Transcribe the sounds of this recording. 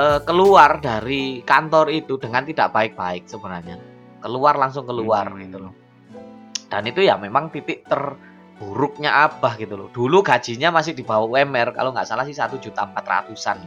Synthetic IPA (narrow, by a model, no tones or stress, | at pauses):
ʔəːkəluardaɾikant̪ɔrit̪ud̥əŋant̪id̥aʔb̥aɪk̚b̥aɪk̚səbənarɲa | kəluarlaŋsʊŋkəluarɡ̥it̪ulɔ | d̥anit̪ujamemaŋt̪it̪ɪʔt̪ər | b̥uɾʊk̚ɲaʔab̥ahɡ̥it̪ulɔ̰d̥uluɡad̥d͡ʒ̥i̤ɲamasɪhd̥i̤bawawɛmɛrka̰loŋɡaʔsalahsɪsat̪u̥d͡ʒṳt̪aəmpat̪ra̰t̪usa̰n